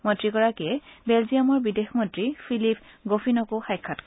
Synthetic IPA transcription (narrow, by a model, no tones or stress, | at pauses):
mɔntɹikɔɹakɛbɛlzijamɔɹbidexmɔntɹipʰilip̚ʰɡofʰinɔkoxajkʰːatk